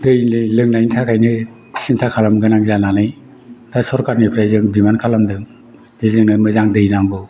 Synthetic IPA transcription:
dɯjnɯlɯŋnaintʰakʰajnɯ | sintʰakʰalamɡɯnaŋzananɯj | tʰasɔɾkaɾnipʰɾajzɯŋdimankʰalamdɯŋ | dizɯŋnɯmɯzaŋdɯjnaŋɡɯ

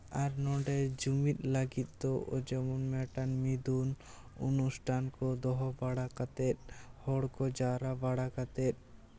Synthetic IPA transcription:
aɾnɔɳɖɛd͡ʒumit̪̚ˀləɡit̪̚ˀt̪ɔʔɔd͡ʒɔmɔnmɛʈanmid̪un | ṵnusʈʰankɔd̪ɔɦɔbaɽakat̪ɛt̪̚ˀhɔɽkɔd͡ʒaɾabaɽakat̪ɛt̪̚

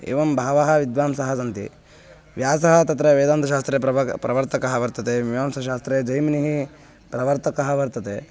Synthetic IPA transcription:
ḛːʋɐmbʱaːʋɐɦɐ̆ʋid̪ʋaːmsɐɦɐsɐnt̪ḭ | ʋjaːsɐɦɐt̪ɐt̪ɾɐʋeːd̪aːnt̪ʰɐʃaːst̪ɾeːɐpɾɐʋɐɾt̪ɐkɐɦɐʋɐɾt̪ɐt̪eʋiʋaːmsɐʃaːst̪ɾeːd͡ʒɐjmɐniɦi | pɾɐʋɐɾt̪ɐkɐɦɐʋɐɾt̪ɐt̪e

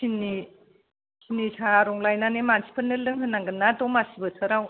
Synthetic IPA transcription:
sini | sʰinːisʰaɾɔŋlajnanemansʰi̥pʰɯnːɯlɯŋɦɯnːaŋɡɯnadɔmasibɯtʰɯɾaw

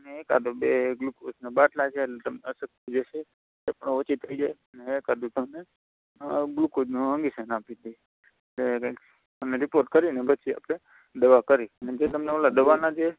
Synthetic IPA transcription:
əneeka̰d̪obeɡlukʰosnebaʈlat͡ʃʰeːlet̪əmneəsək̚t̪id͡ʒeʃe | epəɳʋət͡ʃit̪ʰːəid͡ʒajəneːkad̪ut̪əmne | ɡlukod͡ʒnũɦə̃ŋɡisənapid̪i | le | məneɾipoɾʈ̚kəɾinebʱət͡ʃʰia̰pɽe | d̪əʋakəɾiəned͡ʒet̪əmneəlad̪əʋanad͡ʒe

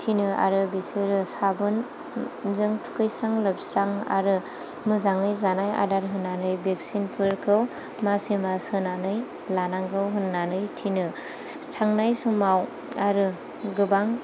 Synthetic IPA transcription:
tʰinɯʔa̰ɾɯbiseɾɯsabɯn | zɯŋtʰu̥kɯjsɾaŋlɯb̚sɾaŋa̰ɾɯ | mɯzaŋɯjzanaja̰daɾɦɯnːanɯjbek̚sinpʰɯɾkʰɯw | masimasɯnanɯj | lanaŋkʰɯwɦɯnːanɯjtʰinɯ | tʰaŋnajsuŋmaw | aɾɯ | ɡɯbaŋ

